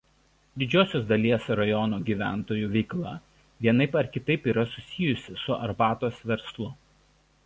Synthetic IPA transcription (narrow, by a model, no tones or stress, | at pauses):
d̪ʲɪd͡ʒʲoːsʲoːs̬d̪ɐlʲiɛsɾɐjɔnoːɡʲiːʋʲæ̰ˑnt̪oːjuːʋʲɛɪklˠɑ̰ː | ʋʲiɛnɐɪpɐɾkʲɪt̪ɐɪpiːɾɐsʊsʲɪjʊsʲɪsʊʔɐ̰ɾbɑːt̪oːsʋʲɛɾslˠʊ